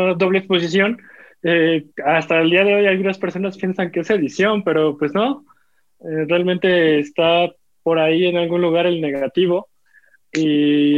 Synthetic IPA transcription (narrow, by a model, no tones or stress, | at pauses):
ðo̞β̞lekspo̞s̬is̬jo̞n | east̪ald̪iaðe̞o̞jalɣunaspe̞ɾso̞naspje̞nsaŋkese̞ðisjo̞mpe̞ɾo̞pwe̞zno̞ | erealmẽnt̪e̞ːst̪a | po̞ɾaienalɣunluɣ̞aɾe̞lne̞ɣat̪iβ̞o̞ | i